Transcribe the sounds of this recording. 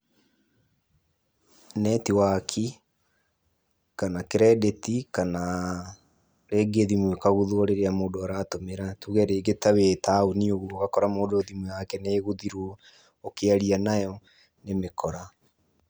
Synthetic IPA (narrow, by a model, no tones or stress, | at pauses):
nɛtiwakʰi | kanakeɾɛdetikana | ɾeːɡeðimwekaɣuðoɔɾeɾeamoːdoaɾatomeɾatuɣɛɾeːɡetawetaonioɣuoɣakɔɾamoːdoðimwewakɛneːɣuðiɾuɔ | okeaɾianajɔ | nemekʰɔɾa